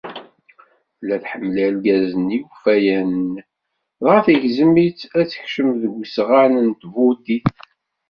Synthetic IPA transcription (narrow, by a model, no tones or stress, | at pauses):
læθħəmːəlælɡæzənjufæjænn | ðˤafiʝzəmːit͡sæt͡sːə̥çʃəmðəɡʷsʁanənt̪vud̪iθ